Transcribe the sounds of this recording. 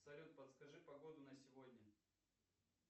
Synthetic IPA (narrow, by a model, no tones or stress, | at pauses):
sɐɾʲot̪̚pɐt̪skɐʐɨpɐɡo̞d̪ʊnəsʲɪvodʲnʲə